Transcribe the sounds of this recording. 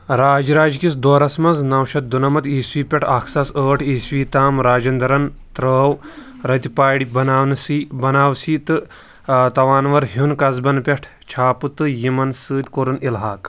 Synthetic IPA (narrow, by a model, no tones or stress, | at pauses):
ɾaːd͡ʒiɾaːd͡ʒkisd̪oːɾɐsmɐnznɐwʃɐt̪̚d̪unɐmɐt̪iːsʋiːpʲɛʈʰɐkʰsɐsəːʈʰiːsʋiːt̪aːmɾaːd͡ʒɐnd̪ɐɾɐnt̪ɾəːw | ɾɐt̪ʲipaːɽibɐnaːwnɨsibɐnaːwsiːt̪ɨ | t̪ɐʋaːnʋɐɾɦunkɐzbɐnpʲeʈʰ | t͡ʃʰaːpɨt̪ɨjimɐnsɨːd̪ʲkoɾɨnilɦaːk